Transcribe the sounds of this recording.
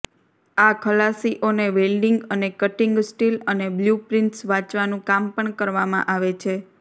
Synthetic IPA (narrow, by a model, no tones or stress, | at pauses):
akʰəlasiʔoneʋelɖiŋɡənekəʈiŋɡsʈilənebljupɾinʈsʋãt͡ʃʋanũkampəɳkəɾʋamã̰ʔaʋet͡ʃʰe